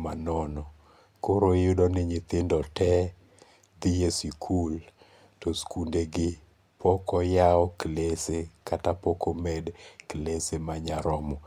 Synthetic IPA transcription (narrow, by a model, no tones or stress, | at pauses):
manɔnɔ | koɾojʊdɔnɪɲɪt̪ɪndɔtɛ | d̪ɪjesikʰul | toskundeɡɪ | pɔkɔjaɔklesekatapɔkomɛdklesemaɲaɾɔmɔ